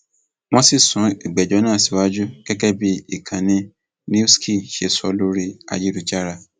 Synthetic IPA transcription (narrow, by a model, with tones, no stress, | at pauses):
w̃ɔ̃˦si˦˨sũ˨˦i˨ɡ͡bɛ˨d͡ʒɔ˨˦nã˦a˦˨si˨˦wa˦d͡ʒu˦ɡ̥ɛ˦kɛ˦bi˦i˦˨kʰã˨nĩ˧ | nĩ˦u˦skʰi˦˨ʃe˧sɔ˧lo˦ɾi˧a̰˧d͡ʒi˦ɾi˨˧d͡ʒa˦ɾa˧˨